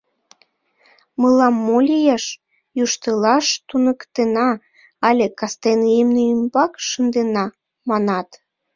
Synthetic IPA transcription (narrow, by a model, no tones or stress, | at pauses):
məlɑmːolʲijɑʃ | juʃt̪əlɑʃt̪unəkt̪enɑ | ɑlʲekɑst̪enjemneymbɑkʃənd̪enɑ | mɑnɑt̪